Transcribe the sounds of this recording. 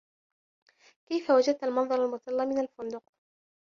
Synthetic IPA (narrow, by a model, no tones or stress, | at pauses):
kajfawad͡ʒad̪̚t̪almɑnðˤɑɾˤalmʊt̪ˤɑlːɑmɪnalfʊnd̪ʊq